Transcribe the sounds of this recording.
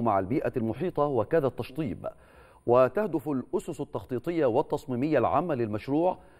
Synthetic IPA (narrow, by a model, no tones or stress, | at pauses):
maʕalbiːʔalmʊħiːt̪ˤɑwɪkaðat̪ːɑʃt̪ˤiːb | wɪt̪ahd̪ʊfalʔʊsʊsat̪ːɑxt̪ˤiːt̪ˤɨjːawɪt̪ːɑsˤmiːmɪjːalʕa̰ːmːalɪlmaʃɾuːʕ